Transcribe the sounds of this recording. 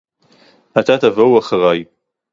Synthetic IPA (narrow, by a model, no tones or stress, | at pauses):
at̪at̪avowaχaʁaj